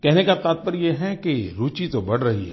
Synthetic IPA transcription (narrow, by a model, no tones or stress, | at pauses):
kɛɦnekat̪aːt̪̚pəɾjeɦɛkeɾuːt͡ʃit̪obɐɽ̤ɾɐɦiɦɛ̰